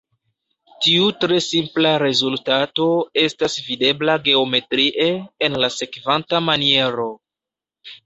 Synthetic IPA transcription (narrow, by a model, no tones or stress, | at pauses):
tiutɾe̞simplaɾe̞zultato̞e̞stasvide̞blaɡe̞o̞me̞tɾiʔe̞ːnlase̞kvantamanie̞ɾo̞